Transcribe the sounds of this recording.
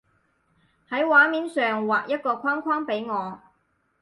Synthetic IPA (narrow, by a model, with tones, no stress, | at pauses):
hɐ˨˥jwaː˨˥miː˨˥nsœː˨ŋwaː˨k̚jɐ˥t̚kɔː˧kʷʰaː˥ŋkʰwaː˥ŋpe˨˥jŋɔː˨˧